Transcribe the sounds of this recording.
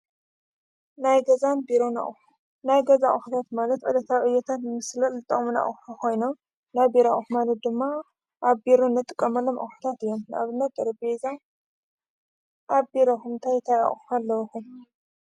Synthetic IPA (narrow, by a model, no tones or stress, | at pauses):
najɡɐzanbiɾona̰ʔ | najɡɐzaʔʼxubat̪malɐt̪ʕɨlɐt̪ʰawʕɨjːɛt̪ʰat̪ɨmɨslɐlɨt̪ʼɐχʼmuna̰ʔʼħukʰo̞jnom | najbiɾaʔʼuxumalɐt̪̚d̪ɨmːa | ʔaβbiɾonːɐt̪ʼɨkʼːɐmɐlomʔa̰ħu̥t̪ʰat̪ɨjːoma̰βɨnːɐt̪ʼɐɾɐbeza | ʔaβbiɾoxuɨnt̪ʰajt̪ʰaja̰ʔʼxualːɐwɐxum